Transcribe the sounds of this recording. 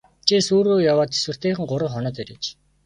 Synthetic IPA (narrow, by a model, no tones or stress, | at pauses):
t͡ɕʰisuːɾoːjawaːt̪e̥swɘ̆r̥t̪eːχɘ̆ŋɢʊɾə̆χχɔnɔ̆ːt̪eɾeːt͡ɕ